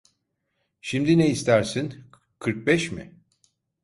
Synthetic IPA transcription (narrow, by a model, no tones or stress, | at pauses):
ʃimd̪ineist̪ʰæɾsin | kʰɯɾk̚bɛʃmɪ̰